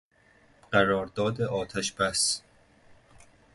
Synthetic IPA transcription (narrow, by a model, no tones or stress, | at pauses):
ɢ̥æɾɒːɾd̪ɒːd̪eʔɒːt̪ʰæʃb̥æs